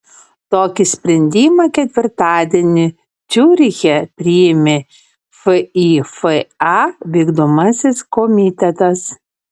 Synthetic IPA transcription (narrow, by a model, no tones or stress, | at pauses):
t̪oːkʲɪsʲpʲɾʲɛnʲd̪ʲiːmɐkʲɛt̪ʲʋʲɪɾt̪ɑːd̪ʲɛnʲɪ | d͡ʒʲuːɾʲɪɣʲɛpʲɾʲijɪmʲɪ | fɨifɨɑʋʲiɡd̪omɐsʲɪskɔmʲit̪ʲɛt̪ɐs